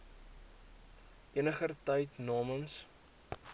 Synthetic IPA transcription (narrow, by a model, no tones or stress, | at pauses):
ʔiənəχərtəjtnɑːməns